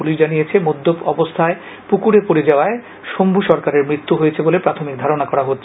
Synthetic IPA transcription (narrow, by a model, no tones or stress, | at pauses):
uliʃd͡ʑanijet͡ɕʰemod̪ːopɔ̰bost̪ʰae | pukuɾepoɾed͡ʑaoae | ʃombʱuʃɔɾkaɾeɾmɾit̪ːuɦojet͡ɕʰebolepɾat̪ʰomik̚d̪ʱaɾonakɔɾaɦotːʰ